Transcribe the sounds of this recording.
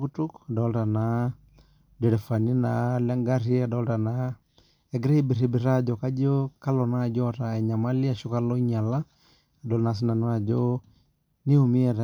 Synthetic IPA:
ku˦tu˦ka˨dɔ˦lɾa˨na˦ | dɛ˨ɾɛ˨fa˨ni˦na˨la˦ŋɡa˦ɾi˦a˨dɔ˦lta˨na | ɛ˨ɡɾe˦ibi˨ɾi˦bi˨ɾa˦d͡ʒɔ˨ka˦d͡ʒɔ˦ka˦lɔ˨na˦˨d͡ʒɔ˦ɾa˨ɛ˨ɲa˨ma˦li˦a˨ʃo˦ka˦lɔ˦i˦ɲa˨la˦ | a˨dɔ˨lna˨s̬i˦na˨n˦a˦d͡ʒɔ˦ | ni˦u˨mi˦ɛ˨ɾa

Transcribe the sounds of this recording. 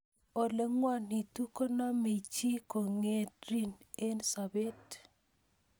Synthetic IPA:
o˨le˨ŋwa˦ni˨tu˦ko˦nɔ˦me˨t͡ʃi˦ko˨ŋe˦tɾi˦ne˦nsa˨be˦t

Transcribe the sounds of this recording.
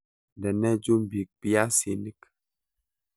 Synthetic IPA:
dɛ˨nɛ˦d͡ʒu˦m˨bi˨k̚pi˦a˦si˨ni˦k

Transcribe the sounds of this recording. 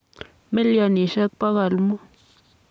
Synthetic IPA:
me˦lja˧ni˨ʃa˦k̚pa˦ɣa˨lmo˦

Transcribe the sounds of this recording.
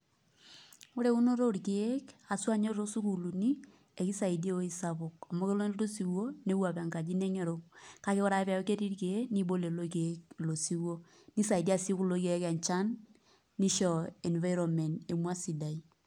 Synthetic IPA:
o˦ɾe˦u˦no˦ɾo˦ɾke˨˦ka˨swa˦ɲe˦ɾo˦su˦ku˨lu˨ni˦ | e˨ki˦sa˨i˨de˦o˦i˦sa˦po˨ka˨mo˦ke˦lo˦n˦ɾo˦si˨wo˦ne˦wa˨pa˨ŋka˨d͡ʒi˦ne˦ŋe˨ɾo˦ka˦ke˦kɔ˦ɾa˦pa˨jo˦ke˦ɾi˦ɾke˨e˦ni˦bo˦le˨lo˦ke˨˦klo˨si˦wo˦ | ni˦sa˨i˨da˦˨si˦ku˦lo˨˦ke˦ka˨nt͡ʃa˦nː | i˦ʃɔ˨ɛ˨nva˦jɾɔ˨mɛ˨ne˨mwa˦si˨da˨i˦

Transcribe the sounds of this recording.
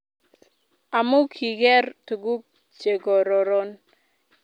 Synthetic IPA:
a˨mʊ˦kʰi˨ɡɛ˦rtu˨ɡu˦k̚ | t͡ʃe˨ɡɔ˨ɾɔ˨ɾo˦n

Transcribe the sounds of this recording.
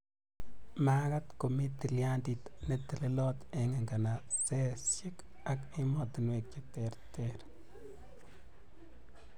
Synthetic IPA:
ma˦ka˦t̪ko˨mi˦t̪i˨lja˦nd̪i˨t̪ne˦t̪e˨le˦lo˦t̪e˨ŋe˨ŋɡa˨na˨ | t͡se˦sʃi˦k | a˦ki˦mo˦˨t̪nwe˨k̚t͡ʃe˦t̪e˨ɾt̪e˦ɾ

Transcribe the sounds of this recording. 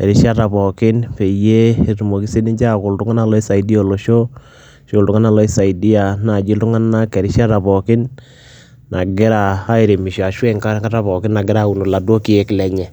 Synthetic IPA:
e˨ɾi˦ʃa˦ta˨βɔ˨kɪ˦npe˨je˦˨tu˨mo˨ki˦se˦ni˦ɲd͡ʒa˦ko˨ltu˦ŋa˦na˦˨lɔ˦e˦sa˨i˦di˦o˨lo˨ʃo˦ | ʃo˦˨ltu˦ŋa˦na˦˨lɔ˦e˦sa˨i˨di˦a˨na˨d͡ʒi˦ltu˦ŋa˦na˦kɛ˨ɾi˦ʃa˦ta˨βɔ˨kɪ˦n | na˨ɡɪ˦ɾaː˨˦e˨ɾe˨mi˨ʃa˨ʃwe˦ŋka˦ka˦ta˦βɔ˨kɪ˦nna˨ɡɪ˦ɾa˦u˨no˨la˨do˦ki˦e˦ki˨lɛ˦ɲɛ˨

